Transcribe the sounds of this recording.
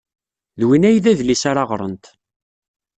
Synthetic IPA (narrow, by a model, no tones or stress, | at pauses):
ðwinæjðæðlisaɾɑʁɾˤə̰nt̪